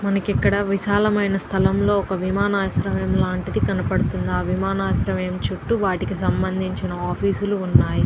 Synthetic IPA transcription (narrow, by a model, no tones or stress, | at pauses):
mɐnɐkikːɐɽɐʋiʃaːlɐmɐjnɐst̪ʰɐlɐmlo̞ːɔkɐʋimaːnaːsɾɐʋe̞ːmlaːɳʈid̪ikɐnɐpɐɽut̪und̪aːʋimaːnaːsɾɐʋeːmt͡ʃuʈːuʋaːʈikisɐmbɐnd̪ʱiɲt͡ʃinɐaːpʰiːsuluːnːaːji